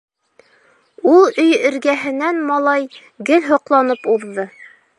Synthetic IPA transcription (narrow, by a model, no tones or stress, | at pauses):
ulˠɵjɘ̆ɾɡæɦɘ̆nænmɑlˠɑj | ɡɘlɦŏqlˠɑnɤpuðːɤ